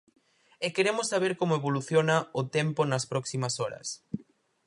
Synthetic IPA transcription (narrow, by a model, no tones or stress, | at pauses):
ekeɾemʊsːaβ̞eɾkomoeβoluθjonɐʊt̪emponɐspɾɔksimɐsɔɾɐ̰s